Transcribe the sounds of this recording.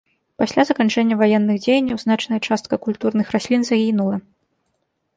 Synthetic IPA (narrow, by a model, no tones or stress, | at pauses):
pasʲlʲazɐkant͡ʂɛnʲːɐvajɛnːɨɣd͡zʲejɐnʲːɐwznat͡ʂnɐjɐt͡ʂast̪̚kɐkulʲt̪urnɨxrasʲlʲinzaɣʲinulˠɐ